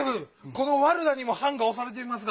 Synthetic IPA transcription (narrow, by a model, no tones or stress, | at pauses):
bɯko̞no̞βaɾɯ̟d̪aɲ̟imo̞hãŋɡao̞saɾe̞t̪̬eimas̬ɨɡ